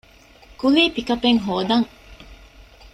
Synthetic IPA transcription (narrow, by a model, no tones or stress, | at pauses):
kuliːpikɐpeŋɦoːd̪ɐŋ